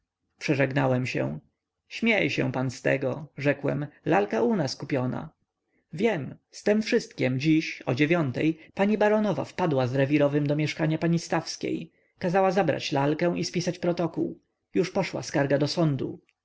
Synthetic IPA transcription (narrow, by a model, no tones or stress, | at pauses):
pʂɛʐɛɡnawɛmɕɛ̰w̃ | ɕmʲjejɕɛ̰̃w̃panst̪ɛ̰ɡɔʐɛkwɛ̰mlalkaunaskupʲjɔna̰ | vʲjɛmst̪ɛmfʂɘst̪kʲɛmd͡ʑiɕɔ̰d͡ʑevʲjɔnt̪ɛjpaɲibaɾɔnɔva̰fpad̪wazɾɛvʲiɾɔvɘmd̪ɔmʲjɛʂkaɲapaɲist̪afskʲḛj | kazawazabɾa̰t͡ɕlalkɛ̃w̃ʔispʲisat͡ɕpɾɔt̪ɔkṵw | juʂpɔʂwa̰skaɾɡad̪ɔsɔnd̪ṵ